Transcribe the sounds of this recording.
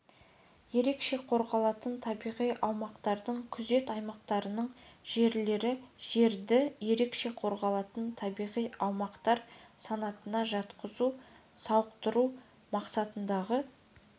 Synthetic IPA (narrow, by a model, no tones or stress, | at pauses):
je̞ɾe̞kʃe̞qʰo̞ɾʁɑlˠɑt̪ənt̪ʰɑbijʁijʔɑwmɑqt̪ɑɾd̪əɴkʲʰʏze̞t̪ɑjmɑq̚t̪ɑɾənəɴʒ̥e̞ɾle̞ɾɪʒe̞ɾd̪ɪje̞ɾe̞kʃe̞qʰo̞ɾʁɑlˠɑt̪ənt̪ʰɑbijʁijɑwmɑqt̪ɑɾsɑnɑt̪ənɑʒɑt̪qəzu | sɑwəqt̪əɾu | mɑqsɑt̪ənd̪ɑʁə